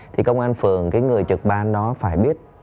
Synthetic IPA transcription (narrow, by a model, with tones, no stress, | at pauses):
t̪ʰi˨˩kə˧wŋ͡mʔaː˧nfɨ˨˩əŋkaː˨˦jŋɨ˨˩əjt͡ɕɨ˨˩k̚ɓaː˨˧nɗɔ˨˦faː˧˩jɓi˦˥ət̚